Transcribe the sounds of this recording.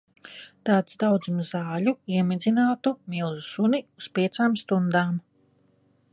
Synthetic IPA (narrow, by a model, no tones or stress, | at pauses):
t̪aːt̪sd̪awd̪zumzaːʎuiɛmid̪zinaːt̪umilˠzusuniuspʲiɛt̪saːmst̪und̪aːm